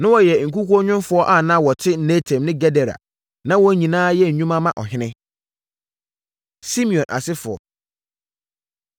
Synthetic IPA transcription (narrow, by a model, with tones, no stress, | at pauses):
nʊ̃˦wɔ˨jɛ˨ŋ̩˨ku˦kʷu˦ɔ˦ɲʊ̃˦mfʊ˨˦ɔ˦ʔa˦˨nã˦wɔ˨tʰɪ˦ne˦tʰɛ̃˨mnɪ̃˦ɡɛ˦dɛ˨ɾa̰˨ | nã˦wɔ˦ɲĩ˨nãː˦jɛ˦˨ɲũ˦mã˦mã˦ʔɔ̰˨ɦɪ̃˦nɪ̃˦ | si˦mĩ˨ɔ̃˨nʔa̰˨sɪ˦fʊ˨ɔ̰˨